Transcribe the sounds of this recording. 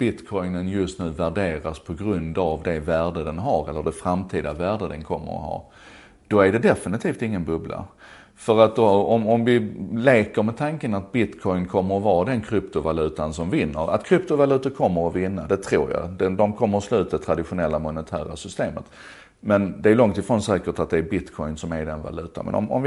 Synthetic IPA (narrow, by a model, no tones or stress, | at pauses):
b̥ɪt̪kʰɔjnənjɵst̪nʉ̟ːvæɖeːɾaspʰɔɡɾɵnd̪avd̪ɛvæːɖəd̪ɛnɦaɾɛlːəɖɛfɾamt̪ʰiːd̪avæːɖəd̪ɛnkʰɔmːə̰ɾɔ̰hɑ̰ː | d̪̥ɔæɖɛd̪ɛfɪnɪt̪ʰiːft̪ɪŋːənbɵbla̰ | fœɾat̪ɔɔmɔmvɪleːkəɾmɛt̪ʰaŋkənat̪̚bɪt̪kʰɔjnkʰɔmːəɾɔvɑːd̪ɛnkʰɾʏpt̪ʊvalʉ̟ːt̪ansɔmvɪnːəɾa̰t̪kʰɾʏp̚t̪ʊvalʉ̟ːt̪əɾkʰɔmːəɾɔvɪnːad̪ɛt̪ʰɾuːɾja̰d̪ɛd̪ɔmkʰɔmːəɾslʉ̟ːt̪ət̪ʰɾad̪ɪɧʊnɛlːamʊnət̪ʰæ̰ːɾa̰sʏst̪eːmə̰t̪ | mɛnd̪ɛæːjlɔŋt̪ɪfɾɔnsɛːkəʈat̪̚d̪ɛæɾbɪt̪kʰɔjnsɔmæɾɖɛnva̰lʉ̟ːt̪a̰mʔɛ̰nɔ̰mɔ̰mvɪ